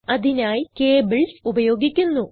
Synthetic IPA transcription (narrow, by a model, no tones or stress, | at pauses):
ɐðinaːjkeːbiɭsubɐjo̞ːɡikʲːunːu